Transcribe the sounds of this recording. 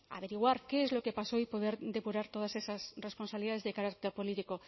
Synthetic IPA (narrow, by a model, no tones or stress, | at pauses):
a̰βeɾiɣ̞waɾkeezlo̞kepasoipoðeɾd̪e̞puɾaɾt̪oð̞asesasresponsaβliðaðe̞zðekaɾak̚t̪eɾpolit̪iko